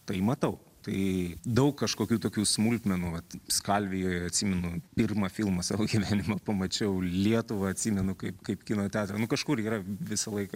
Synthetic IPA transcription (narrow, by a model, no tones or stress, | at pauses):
t̪ɐɪmɐt̪ɐʊ | t̪ɐɪd̪ɐʊkkɐʃkoːkʲuːt̪oːkʲuːsmulʲt̪ʲmʲɛnuːʋɐt̪skɐlʲʋʲɪjoːjɐt̪ʲsʲiːmʲɛnʊpʲɪrmɐfʲɪlˠmɐsɑːʋoːɡʲiʋʲæːnʲɪmɐpɐmɐt͡ʃʲɛʊlʲiɛt̪ʊʋɐɐt̪ʲsʲimʲɛnʊkɐɪpkɐɪpkʲɪnoːt̪ʲæːt̪ɾɐnʊkɐʃkʊɾiːɾɐʋʲɪsɐlˠɐɪkɐ